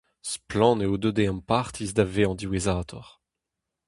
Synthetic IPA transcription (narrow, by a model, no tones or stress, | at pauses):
splɑ̃neod̪ød̪eɑ̃paʁt̪izd̪aveɑ̃d̪iwezaːt̪ʰɔʁ